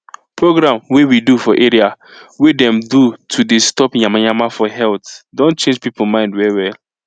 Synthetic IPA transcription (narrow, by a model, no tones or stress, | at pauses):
pʰɹoɡɾãmwewidufɔʔeɾiawedɛ̃mdutʰudestɔpɲãmaɲãmafɔɦɛltdõnt͡ʃẽnd͡ʒpipomãɪ̃ndwɛɾiwɛl